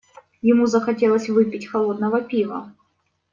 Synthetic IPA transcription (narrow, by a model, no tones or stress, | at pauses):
jɪmuzəxɐtʲelˠəsʲvɨpʲɪtʲxɐlˠod̪̚nəvəpʲivə̰